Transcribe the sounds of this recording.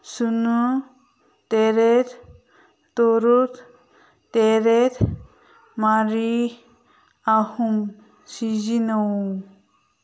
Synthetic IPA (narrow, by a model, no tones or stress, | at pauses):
sunu | t̪eɾeɾ | t̪oɾuɾ | t̪eɾeɾ | maɾi | ahum | sid͡ʒinɔw